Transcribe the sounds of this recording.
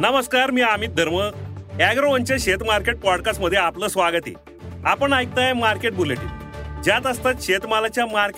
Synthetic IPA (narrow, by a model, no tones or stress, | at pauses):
nəməskaɾmiːamiːt̪̚d̪ʱəɾməæɡɾoʋənt͡ɕjaɕet̪maɾkeʈ̚pɔɽkasʈməd̪ʱjeapləːsʋaɡət̪ḭ | apəɳajk̚t̪ajmaɾkeʈ̚buleʈḭd͡ʑjat̪əst̪at̪ɕet̪malat͡ɕjamaɾke